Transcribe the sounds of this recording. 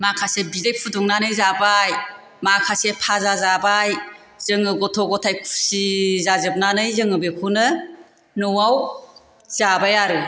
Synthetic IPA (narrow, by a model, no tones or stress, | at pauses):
makʰasebidejpʰuduŋnanɯjzabaj | makʰasepʰazazabaj | z̥ɯŋɯɡɔtʰɔɡɔtʰajkʰu̥sizazɯp̚nanɯjzɯŋɯbekʰunɯ | nuwaw | z̥abajaɾɯ